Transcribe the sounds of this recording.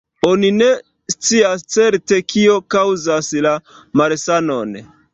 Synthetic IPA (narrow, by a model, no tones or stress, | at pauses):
o̞nine̞ | st͡siast͡se̞ɾte̞kio̞kawzasla | maɾsano̞n